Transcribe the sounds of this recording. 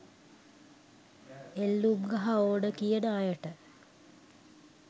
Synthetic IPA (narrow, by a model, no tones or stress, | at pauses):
elːumɡɐɦaoːɖəkijənəajəʈə